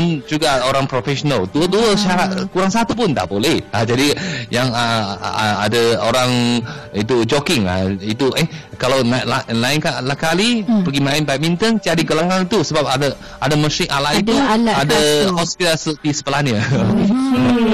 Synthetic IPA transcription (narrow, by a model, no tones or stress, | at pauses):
and͡ʒuɡaoɾaŋpɾofɛʃonəlduəduəʃaɾat̪̚kuɾaŋs̬at̪up̬ʊnd̪a̰ʔbolɛhad͡ʒadijaŋə | a̰dəoɾaŋit̪ud͡ʒokɪŋa̰it̪uʔə | kalawnaʔlalaɪnkalahkalipəɡimãɪnbaʔ̚mint̪ənt͡ʃadiɡalaŋanit̪usəbap̚adə | adaməsɪŋʔalaʔit̪uadahɔspit̪alsət̪isə̥pəlanə